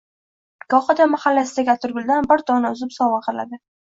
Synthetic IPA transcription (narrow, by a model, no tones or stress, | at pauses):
ɡ̥ɒχɑd̪amahalːasɪd̪aɡʲat̪ʰʊɾɡʲʊld̪anbɪɾt̪ʰɒnaʊzɪpsɒwaqʰɨla̰d̪ɪ